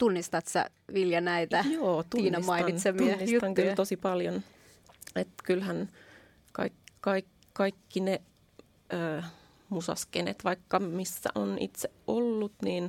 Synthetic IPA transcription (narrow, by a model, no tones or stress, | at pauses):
t̪unːist̪ɑt̪sæ̰ | ʋiljɑnæit̪æjoːt̪uniːnɑismɑinɑinseminːist̪ɑŋkylt̪osipɑljon | et̪kylhæn | kɑ̰ikkɑik | kɑikːine | əː | musɑ̰skenḛt̪ʋɑikːɑmisːæ̰ʔonḭt̪seʔʔolːut̪niːn